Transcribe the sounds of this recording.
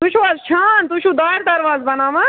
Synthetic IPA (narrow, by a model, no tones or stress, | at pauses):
t̪uʃaːzʃʰaːnt̪uʃʰũːd̪aːiɾd̪ɐɾʋaːzbɐnaːʋa